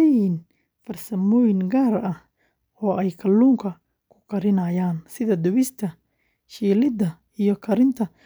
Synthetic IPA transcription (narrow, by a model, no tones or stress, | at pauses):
jin | fɐrsɐmɔːjɪŋɡaːɾɐh | ɔːʔɛjkʰɐlːuːŋkʰɐ | kʰʊ̥qʰɐɾɪnɐːjaːnsɪðɐd̪ʊβɪst̪ʰɐ | ʃiːlɪd̪ɐ | ijɔkʰɐɾɪnt̪ʰɐ